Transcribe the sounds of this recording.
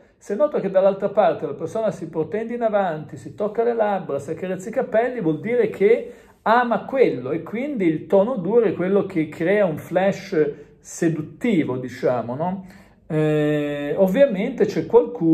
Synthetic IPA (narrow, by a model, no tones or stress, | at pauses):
senːɔːt̪oked̪alːalt̪ɾapart̪elapersoːnasipɾot̪ɛnd̪inavant̪isit̪okːalelabːɾasiakːaɾet̪sːaikapɛlːivwɔld̪iːɾekʰe | aːmakwelːoekːwind̪iːlt̪ɔːnod̪uːɾoɛkwelːok̟ekʰːɾɛːauɱflɛʃ | sed̪ut̪ːiːvod̪it͡ʃaːmonɔ | ɛ | ovːjament̪et͡ʃɛkːwalku